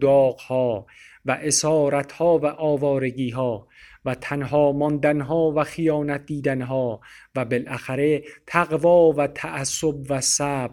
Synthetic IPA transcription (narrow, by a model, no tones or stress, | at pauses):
d̪ɒːɣ̥hɒː | væʔesɒːɾæt̪ʰhɒːvæʔɒːvɒːɾe̞ɡiːɦɒː | væt̪ʰænɦɒːmɒnd̪ænɦɒːvæxijɒːnæt̪̚ʰd̪iːd̪ænɦɒː | væbelʔæxæɾe̞t̪ʰæɣvɒːvæt̪ʰæʔæsːobvæsæːb̥